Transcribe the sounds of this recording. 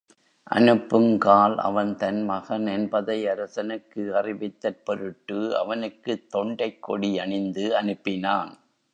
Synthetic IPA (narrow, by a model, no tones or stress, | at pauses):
ʔɐ̰nɯpːɯmkaːlʔɐ̰ʋɐnt̪ɐnmɐɣɐnɛnbɐðɐɪɐɾɐsɐnɯkːɯɐrɪʋɪt̪ːɐr̚pɔɾɯʈːɯɐ̰ʋɐnɯkːɯt̪ːɔɳɖɐɪkːɔɽiɐɳɪnd̪ɯɐnɯpːɪnaːn